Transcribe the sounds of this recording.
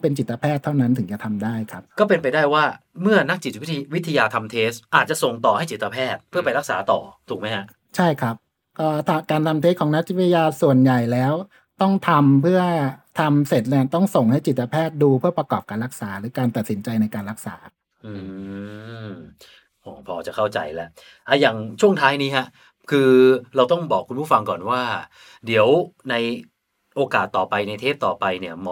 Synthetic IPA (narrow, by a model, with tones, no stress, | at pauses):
pe˧nt͡ɕi˨˩t̪ːa˧pʰɛː˥˩t̪ʰːa˥˩wna˦˥nt̪ʰɯ˩˦t͡ɕa˨˩t̪ʰa˧mdaː˥˩jkʰa˦˥p̚kɔː˥˩p̬e˧npa˧jdaː˥˩jwaː˥˩mɯ˥˩ɐna˦˥k̚t͡ɕi˨˩t̪̚wi˦˥t̪ʰːa˧jaː˧t̪ʰa˧mt̪ʰeː˦˥sʔaː˨˩t̪̚t͡ɕa˨˩so˨˩ŋt̪ɔː˨˩ha˦˥˩jt͡ɕi˨˩t̪ːa˧pʰɛː˥˩t̪̚pʰɯ˥˩ɐpa˧jɾa˦˥k̚saː˩˦t̪ɔ̰ː˨˩t̪ʰuː˨˩k̚ma˦˥jha˦˥ʔ | t͡ɕʰa˥˩jkʰɾa˦˥p̚ | kɔː˥˩t̪ʰa˧kaː˧nt̪ʰa˧mt̪ʰe˦˥kʰɔː˩˦ŋna˦˥k̚t͡ɕi˦˩˧a˧jaː˧su˨˩ənja˨˩jlɛː˦˥w | t̪ɔ˥˩ŋt̪ʰa˧mpʰɯ˥˩ɐt̪ʰa˧mse˨˩t̪̚ni˥˩t̪ɔ˥˩ŋso˨˩ŋha˥˩jt͡ɕi˨˩t̪̚t͡ɕa˧pʰɛː˥˩t̪̚duː˧pʰɯ˥˩ɐpɾa˧kɔː˨˩p̚kaː˧nɾa˦˥k̚saː˩˦ɾɯː˩˦kaː˧nt̪a˨˩t̪̚si˩˦nt͡ɕa˧jna˧jkaː˧nɾa˦˥k̚sa̰ː˩˦ | ʔɯ˧ | ʔɔː˩˦pʰɔː˧t͡ɕa˨˩kʰa˥˩wt͡ɕa̰˧jlɛ˦˥ʔ | ʔa˧˩jaː˨˩ŋt͡ɕʰu˥˩əŋt̪ʰaː˦˥jniː˦˥ha˦˥ʔ | kʰɯː˧ɾa˧wt̪ɔ˥˩ŋbɔː˨˩kʰːu˧npuː˥˩fa˧ŋkɔː˨˩nwaː˥˩ | di˩˦əwna˧j | ʔoː˧kaː˨˩t̪ːɔː˨˩pa˧jna˧jt̪ʰeː˥˩p̚t̪ɔː˨˩pa˧jni˥˩ɐmɔ˧˦